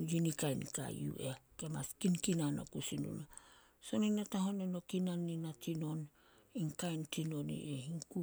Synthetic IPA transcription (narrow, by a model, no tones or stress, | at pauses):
jinikajnta̰jṵʔe̞kema̰skinkinano̰kusinṵna | so̞ninataɦo̞neno̞kinanːinatino̞n | iŋkajntino̞nḭʔehiŋku